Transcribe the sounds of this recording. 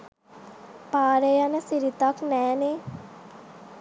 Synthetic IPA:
paːɾejanəsiɾit̪aknɛːne

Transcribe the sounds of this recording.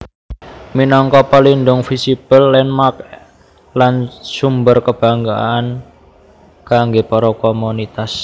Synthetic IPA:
minɔŋkɔpalinɖʊŋfisipəlːɛnmak̚ | lansumbərkəb̥a̤ŋɡa̰ːn | kaŋɡepɔɾɔkɔmunit̪as

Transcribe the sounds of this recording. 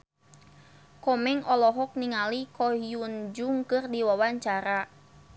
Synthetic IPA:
kɔmɛŋɔlɔɦɔk̚niŋalikɔijund͡ʒuŋkɨrdiwawaɲt͡ʃaɾa

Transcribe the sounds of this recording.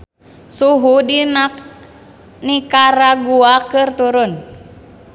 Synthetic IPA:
suɦudinak̚ | nikaɾaɡuakɨrt̪uɾʊn

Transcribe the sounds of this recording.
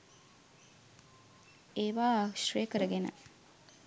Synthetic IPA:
eːʋaːʃɾejəkəɾəɡenə̰

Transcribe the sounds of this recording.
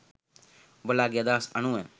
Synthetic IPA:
bəlaːɡɪjaːd̪aːsənũːɛː

